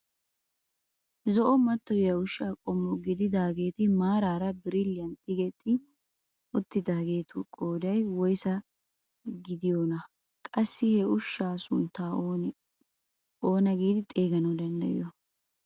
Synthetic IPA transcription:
zɔʔɔmɐt̪ːɔjjɐʊʃːaːkʼɔmːɔɡɪd̪ɪd̪aːɡeːt̪ɪmaːɾaːɾɐbɪɾɪlːɪɐnt̪ʼːɪɡɛt̪ʼːɪ | ʊt̪ːɪd̪aːɡe̞ːt̪ʊkʼoːd̪ɐjwɔjsɐ | ɡɪd̪ɪjoːnɐ | kʼɐsːɪhɛʊʃːaːsʊnt̪ːaː | oːnɐɡiːd̪ɪt̪ʼeːɡɐnɐd̪ɐnd̪ɐ̰jɪ̰jɔ

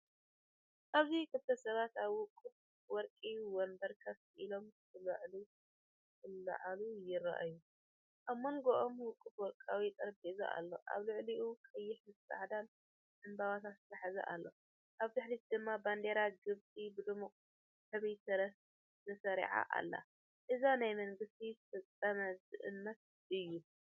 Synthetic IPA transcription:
ʔaβzikʰɨbt̪ʰɐsɐβat̪aβwʊkʼːɨt̪̚ | wɔɾkʼijuwɔmbɐɾkʰɐft̪ʔilo̞mbɨlaʕlu | ɨlːɐ̰ʕalujɪɾa̰ʔa̰ju | ʔaβmːɐŋɡoʔomwʊkʼːɨfwɔɾkʼawit̪ʼɐɾbʼiza̰ʔa̰lːo̞ʔa̰βlɨʕliukʼɐjːɪħmɨsa̰ʕd̪an | ʔɨmbaβat̪ʰat̪sɨ̥t̪ʰɐħazɐ̰ʔa̰lːo̞ | ʔaβt̪ɨħlit̪d̪ɨmːaband̪eɾaɡɨβt͡sʼibɨd̪ɨmukʼ | ħɨβijsɐɾɐs | zɐsɐɾḭʕa̰ʔa̰lːa̰ | ʔɨzanajmɐŋɡɨst̪ʰizfɐt͡sʼːɐmɐzɨʔɨ̰nːɐt̪̚ | ʔɨjːu

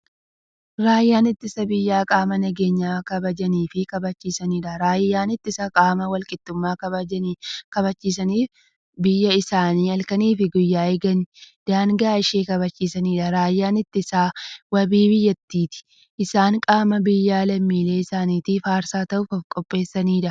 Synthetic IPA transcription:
ɾaːjːaːnɪt̪ːɪsɐbɪjːaːkʼaːmɐnɐɡe̞ːɲːaːkɐbɐd͡ʒɐniːfɪkɐbɐt͡ʃːiːsɐniːᶑɐɾaːjːaːnɪt̪ːɪsɐkʼaːmɐwɐlkʼɪt̪ːʊmːaːkɐβɐd͡ʒɐnːkɐbɐt͡ʃːiːs̬ɐniːf | bɪjːɐɪsaːniːɐlkɐniːfɪɡʊjːaːeːɡɐnd̪̥aːŋɡɐaːɪʃeːkɐβɐt͡ʃːiːsɐniːᶑɐɾaːjːaːnɪt̪ːɪsaːwɐbiːbɪjːɐt̪ːiːt̪ɪ̥ | ʔsaːŋkʼaːmɐbɪjːaːlɐmːiːle̞ːɪsaːniːt̪ɪfaːɾsaːt̪ɐʔʊfɔfkʼɔpʼːe̞ːsːɐniːᶑɐ

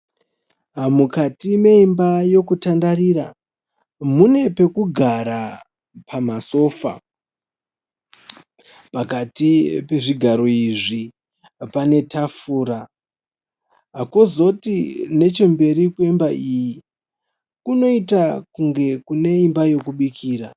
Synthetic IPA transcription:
mukatime̞imbajo̞kutandarira | mune̞pe̞kuɡʱaɾa | pamaso̞ːfa̰ | pakatipe̞ʐiɡʱaɾo̞iʐi | pane̞tafuːɾa | ɦakozo̞tine̞t͡ʃo̞mbe̞ɾikwembaʔiji | kuno̞itakuŋɡe̞kune̞imbajo̞kuɓikʰiːɾa

